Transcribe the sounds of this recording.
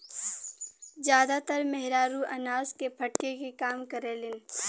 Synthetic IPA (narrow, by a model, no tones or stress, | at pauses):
zjaːd̪at̪əɾmɛɦɾaːɾuʔɐnaːzkepʰɐʈkekekaːmkɐɾeːlɪn